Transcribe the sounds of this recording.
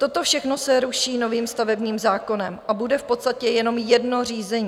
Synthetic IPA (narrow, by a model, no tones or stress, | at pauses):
t̪o̞t̪o̞fʃɛxno̞sɛɾuʃiːno̞viːmst̪avɛbɲiːmzaːko̞nɛmʔabudɛfpo̞t̪st̪acɛjɛno̞mjɛdno̞riːzɛɲi